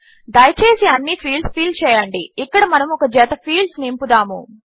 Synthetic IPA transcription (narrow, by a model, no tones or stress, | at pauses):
d̪ɐjɐt͡ʃeːsiɐnːipʰiːlspiːlt͡ʃɛːjɐɳɖiːkːɐɽɐmɐnɐmɔkɐd͡ʒɛːt̪ɐpʰiːlsnimpud̪aːmṵ